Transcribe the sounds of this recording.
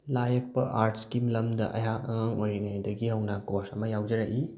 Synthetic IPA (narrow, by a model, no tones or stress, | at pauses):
lajɐk̚pɐʔaɾtʰskimlɐmdɐ̰ʔɐ̰ɦakɐŋaŋojɾiŋajdɐɡihɐwnɐkoɾsɐmɐjawd͡ʒɐɾaʔi